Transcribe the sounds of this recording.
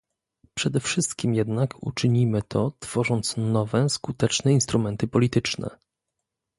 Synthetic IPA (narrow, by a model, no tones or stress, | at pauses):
pʂɛd̪ɛfʂɘst̪kʲimjɛd̪nakṵt͡ʂɘɲimɘt̪ʰɔt̪fɔʐɔnt̪snɔvɛskut̪ɛt͡ʂnɛinst̪ɾumɛnt̪ɘpɔlʲit̪ɘt͡ʂnɛ̰